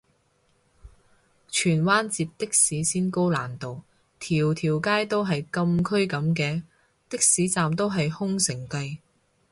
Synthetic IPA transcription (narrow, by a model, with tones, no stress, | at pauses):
t͡ʃʰyː˨˩nwaː˥nt͡siː˧p̚t̪ɪ˥k̚siː˨˥siː˥nko˥wlaː˨˩nt̪o˨w | t̪ʰiː˨˩wt̪ʰiː˨˩wkaː˥jt̪o˥wɦɐ˨jkɐ˧mkʰɵ˥ɥkɐ˨˥mkɛː˧ | t̪ɪ˥k̚siː˨˥t͡saː˨mt̪̬o˥wɦɐ˨jhʊ˥ŋsɪ˨˩ŋkɐ˧j